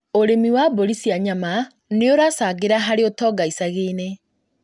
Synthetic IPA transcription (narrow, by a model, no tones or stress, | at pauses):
oɾemiwaboɾisjaɲama | neoɾasaːɡeɾaɦaɾeotɔːɡaisaɣeːne